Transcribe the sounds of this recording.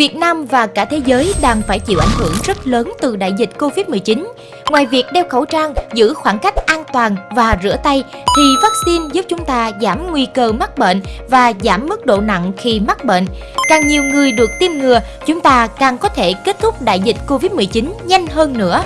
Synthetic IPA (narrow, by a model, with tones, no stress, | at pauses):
vi˨˩ət̚naː˧mvaː˨˩kaː˧˩t̪ʰe˨˦zəː˨˦jɗaː˧˩ŋfaː˧˩jt͡ɕḭ˧˨wʔa˧˩jŋ̟hɨ˧˩əŋzə˦˥t̚ləː˨˦nt̪ɨ˨˩ɗa̰ː˧˨jzï˨˩t̟̚ko˧vi˦˥t̚mɨ˨˩jt͡ɕi˨˦n | ŋwaː˨˩jvi˨˩ək̚ɗɛ˧wxə˧˩wt͡ɕaː˧ŋzɨ̰˧˥xwaː˧˩ŋka˦˥jk̟̚ʔaː˧nt̪waː˨˩nvaː˨˩zɨ̰˧˥ət̪a˧jt̪ʰi˨˩vaː˦˥k̚si˧nzu˦˥p̚t͡ɕʊ˨˦ŋ͡mt̪aː˧zaː˧˩mŋwi˧kəː˧ma˦˥k̚ɓḛ˧˨nvaː˨˩zaː˧˩mːɨ˦˥k̚ɗo̰˧˨na̰˧˨ŋxi˧ma˦˥k̚ɓḛ˧˨n | kaː˨˩ŋɲi˨˩əwŋɨ˨˩əjɗɨ˨˩ək̚t̪i˧mŋɨ˨˩ə | t͡ɕʊ˨˦ŋ͡mt̪aː˧kaː˨˩ŋkɔ˨˦t̪ʰe˧˩ke˦˥t̚t̪ʰʊ˦˥k͡p̚ɗa̰ː˧˨jzi˨˩t̚ko˧vi˦˥t̚mɨ˨˩əjt͡ɕi˨˦nɲa˧jŋ̟ɦəː˧nːɨ̰˧˥ə